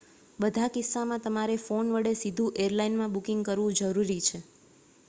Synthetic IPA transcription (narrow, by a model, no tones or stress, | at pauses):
bəd̪ʱakɪsːamãt̪əmaɾefonʋəɽesid̪ʱũʔeɾlainmãbukiŋɡkəɾʋũd͡ʒəɾuɾit͡ʃʰe